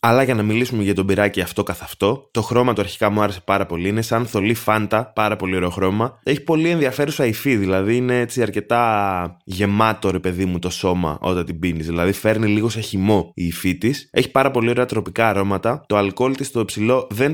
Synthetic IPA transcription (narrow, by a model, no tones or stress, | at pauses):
ɐlɐʝɐnɐmilisumeʝɐt̪o̞biɾɐciɐft̪o̞kɐθɐft̪o̞t̪o̞xɾo̞mɐt̪oɐɾçi̥kɐmuɐɾe̞sepɐɾɐpo̞liine̞sɐnθo̞lifɐnt̪ɐpɐɾɐpo̞lio̞ɾe̞oxɾo̞mɐe̞çi̥po̞lienðiɐfe̞ɾusɐifiðilɐðiine̞e̞t͡siɐɾce̞t̪ɐ | ʝe̞mɐt̪o̞ɾe̞pe̞ðimut̪o̞so̞mɐ̰ʔo̞t̪ɐnt̪ibinizðilɐðife̞ɾniliɣo̞seçimo̞iːfit̪ise̞çi̥pɐɾɐpo̞lio̞ɾe̞ɐt̪ɾo̞pikɐːɾo̞mɐt̪ɐt̪o̞ɐlko̞lt̪ist̪o̞ipsilo̞ðe̞n